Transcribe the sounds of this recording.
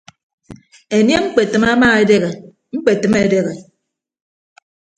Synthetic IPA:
e˨nje˦ŋ͡m̩˦k͡pe˨tɨ˨ma˦maː˦e˦de˦ɣe˨ | ŋ͡m̩˦k͡pe˨tɨ˨me˦˨de˦ɣe˨

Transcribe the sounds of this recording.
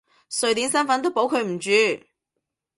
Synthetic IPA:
sɵ˨ɥt̪iː˨˥nsɐ˥nfɐ˨˥nt̪̬o˥wpo˨˥wkʰɵ˨˧ɥm̩˨˩t͡ʃyː˨˧

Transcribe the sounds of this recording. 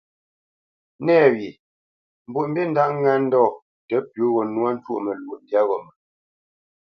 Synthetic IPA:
nɛ˦˨ɥji˨ | m̩˨bu˦˨ʔm̩˦bi˦n̩˦da˦ʔŋ˦ŋɛ˦n̩˦dɔː˦˨ | tɛ˨˦pju˨˦ɣɔ˨nwa˦n̩˦t͡ʃwṵ˦ʔmə˨lu˨ʔdja˦ɣɔ˨mɛ˨

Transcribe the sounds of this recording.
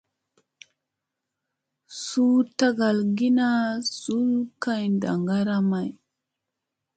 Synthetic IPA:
su˦ta˦ɡa˨lɡi˦na˦su˦lka˦jnda̰˨ŋɡa˦ɾa˦ma˨j

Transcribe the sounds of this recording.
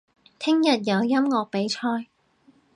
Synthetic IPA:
t̪ʰɪ˥ŋjɐ˨t̚jɐ˨˧wjɐ˥mŋɔː˨˧k̚pe˨˥jt͡ʃʰɔː˧j

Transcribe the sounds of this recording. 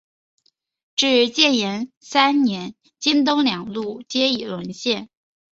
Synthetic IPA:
ʈ͡ʂɻ̩˥˩t͡ɕjɛ˥˩njɛ˧˥n | sa˥nnjɛ˧˥n | t͡ɕi˥nt̪̬o˥ŋljɑ˨˩ŋlu˥˩t͡ɕjɛ˥i˨˩lwə˧˥nɕjɛ˥˩n

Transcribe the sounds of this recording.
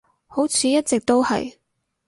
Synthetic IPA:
ho˨˥wt͡sʰiː˨˧jɐ˥t̚t͡sɛ˨k̚t̪o˥whɐ̰˨j

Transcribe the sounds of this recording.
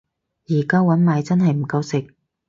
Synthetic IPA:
jiː˨˩kaː˥wɐ˨˥nmaː˨˧jt͡sɐ˥nɦɐ˨jm̩˨˩kɐ˧wsɪ˨k̚

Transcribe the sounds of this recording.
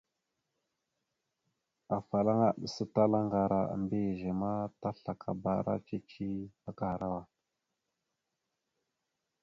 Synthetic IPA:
a˨fa˨la˦ŋa˦˨ɗə˨sə˦ta˦la˦ŋɡa˨ɾa˨a̰˨mbe˦˨ʒe˨ma˦ta˦ɬa˨kʰa̰˨ba̰˨ɾa̰˦t͡ʃe˦t͡ʃi˦ba˨ka˦ha˨ɾa˦wa˨

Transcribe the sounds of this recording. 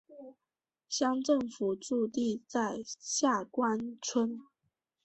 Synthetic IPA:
ɕjɑ˥ŋʈ͡ʂə˥˩ŋfu˨˩ʈ͡ʂu˥˧t̪i˥˧t͡sa˥˧ɪɕja˥˩kwa˥nt͡sʰwə˥n

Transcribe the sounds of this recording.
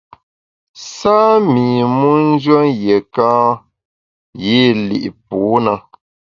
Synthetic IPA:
saː˦mi˨mu˦n̩˦d͡ʒwə˦nje˨kãː˦ | je˦˨lḭ˨ʔpuː˨˦na˦

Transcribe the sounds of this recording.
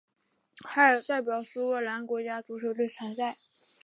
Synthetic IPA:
xa˥ə˞˨˩t̪a˥˩ɪpjɑ˨˩ʊsu˥wə˥˩la˧˥nkwɔ˧˥t͡ɕja˥t͡su˧˥ʂʰɤ˨˥t̪we˥˩ɪt͡sʰa˧˥nt͡sa˥˩ɪ

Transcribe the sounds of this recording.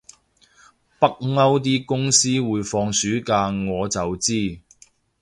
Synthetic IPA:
pɐ˥k̚ŋɐ˥wt̪̬iː˥kʊ˥ŋsiː˥wuː˨˧jfɔː˧ŋsyː˨˥kaː˧ŋɔː˨˧t͡sɐ˨wt͡siː˥

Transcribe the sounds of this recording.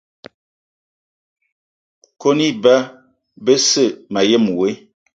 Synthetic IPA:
ko˦ni˦ba˦ | bə˦sə˦˨ma˨je˦˨m˨we˦

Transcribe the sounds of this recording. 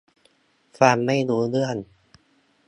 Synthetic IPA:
faː˧mːa˥˩jluː˧˦˥lɯ˥˩ən

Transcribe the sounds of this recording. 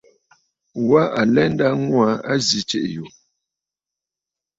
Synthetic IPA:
wa˦a˨lɛ˦n˦da˦ŋwa˨˦a˦zi˨t͡ʃe˦˨ʔju˨

